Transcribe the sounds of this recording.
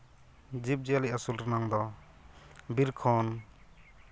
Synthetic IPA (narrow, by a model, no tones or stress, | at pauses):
d͡ʒip̚d͡ʒialiasulɾənaŋd̪ɔ | biɾkʰɔn